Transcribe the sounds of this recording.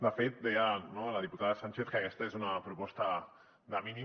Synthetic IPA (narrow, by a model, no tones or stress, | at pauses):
d̪əfet̪̚d̪ɛjənoaləðiput̪aðəsant͡ʃeθkəkɛst̪əezunəpɾupɔst̪ə | ðəmini